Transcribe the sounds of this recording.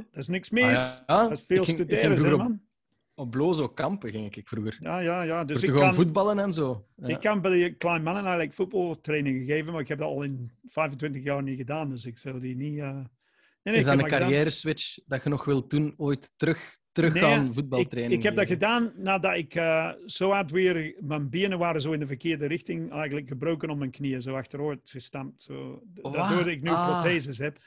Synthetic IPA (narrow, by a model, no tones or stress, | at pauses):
d̥ɔsnɪksmɪːsasfeːlˠtydeːɾəuman | ɔbloːzokɑmpəɣɪŋɪkɪkfruɣərjaːjaːjaːdørəɣvud̚bɑlˠənɛnzoːɪkkːɑnbɛdəklɛjnmɑnənɛɣləkfut̚bɑlˠtreːnɪŋɣəɣeːvənmaːɹɪkhɛp̚dɔtɑlˠɪnfɛjvəntwɪntəxjɑːrniɣədaːndøsɪksɪlˠdiniəː | neːnesdanəkaɾjɛːɾəswɪt͡ʃdɑxənɔxʋɪlˠtːunoːjtːɾɵxtəɾɵxneanvud̚bɑlɪtreːnɪŋkhɛbdɑtxədaːnːaːdɑtɪkəːz̥oːatwɪːrmɛnbiənəʋaːɾəzoːɪndəvərkɪːrdəɾɪxtɪŋɛjɣəntləkxəbroːkənɔmɛnkniəzoːaxtəɾoːtɣəstamtso̰ːdɔoːdtɪknyprotteːzəsɦɛp